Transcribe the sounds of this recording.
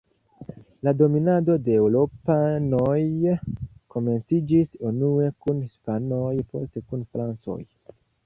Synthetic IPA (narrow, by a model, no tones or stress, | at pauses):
lado̞minado̞de̞ːwɾo̞pano̞j | ko̞me̞nt͡sid͡ʒisunue̞kunhispano̞jpʰo̞̰ste̞kunfɾant͡so̞̰j